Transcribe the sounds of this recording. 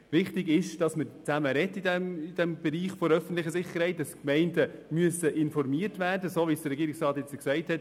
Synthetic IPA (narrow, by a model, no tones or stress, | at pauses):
vɪχtɪɡɪʃd̥ɑsməɾt͡sæməɾɛtːidɛmɪd̥ɛmb̥ɛɾiːχfoɾœfən̩tlɪχəsɪχəɾhɛɪtdɑskmɛɪndəmyəsəʔɪnfɔɾmiːəɾtværdəsoːʋisd̥ərːɛɡiːɾɪksrɑːtjɛt͡səksɛɪthɛt